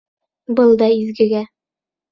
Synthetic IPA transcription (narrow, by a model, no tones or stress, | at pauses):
bɤlˠd̪ɑizɡɘ̆ɡæ